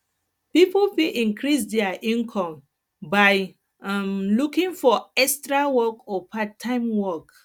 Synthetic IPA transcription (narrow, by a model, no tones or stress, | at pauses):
pipofiʔĩŋkʰɹis̬dɛaʔĩnkʰɔ̃m | baɪ | mlukĩŋfɔɛstɹawɔkɔpʰatʰːãɪ̃mwɔk